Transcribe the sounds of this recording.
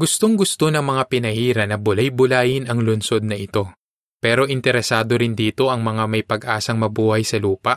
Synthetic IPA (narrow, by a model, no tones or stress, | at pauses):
ɡʊst̪o̞ŋɡʊst̪o̞nɐŋmɐŋapɪnɐhiːɾɐnɐbʊlajbʊlaːjɪnɐŋlʊnso̞d̪̚nɐʔɪt̪o̞ | pɛːɾo̞ʔɪnt̪ɛɾɛsaːd̪o̞ɾɪnd̪iːt̪o̞ʔɐŋmɐŋamɐjpɐɡʔaːsɐŋmɐbuːhɐjsɐluːpɐʔ